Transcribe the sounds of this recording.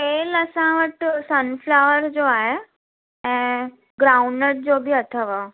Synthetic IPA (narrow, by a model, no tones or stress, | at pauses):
peːlɐsãʋəʈsɐnflaʋəɾd͡ʑoːaːɦe | ɛ̃ː | ɡɾaːʊ̃ɳəɾd͡ʑoːbɪɐt̪ʰəʋa